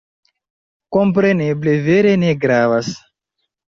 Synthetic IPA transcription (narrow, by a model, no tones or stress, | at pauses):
komp̬ɾenebleveɾeneɡɾavas